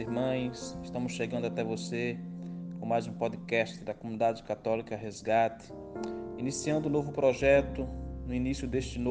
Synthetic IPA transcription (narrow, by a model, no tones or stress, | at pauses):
ɪɦmɐ̃j̃sɪʃt̪ɐ̃mʊsʃeɡɐ̃nd̪ʊat̪ɛvosekõmajzũpɔd͡ʒ̪ɪkɛst͡ʃ̪ɪd̪ɐkomũnid̪ad͡ʒɪkat̪ɔlikɐɦezɡat̪ɪ̥ | inisiɐ̃nd̪ʊ̃novʊpɾɔʒɛt̪ʊnʊinisjʊd̪eʃt͡ʃɪno